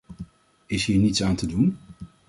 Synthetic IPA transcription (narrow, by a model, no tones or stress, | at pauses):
ɪsɦiːɹnitsaːntədun